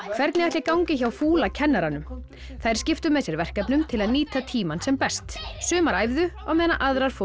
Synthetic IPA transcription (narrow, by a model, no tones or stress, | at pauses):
kʰv̥ɛɾt̪nɪajht̪lɪkawŋcɪçawfuːlacʰɛnːaɾanʏm | θajɾ̥scɪft̪ʏmɛðsjɛɾvɛr̥kapnʏmt̪ʰɪlaðniːt̪at̪ʰiːmansɛmpɛst̪sʏːmaɾajvðʏ | ɔɣmɛːðnaʔaðɾaɾ̥fo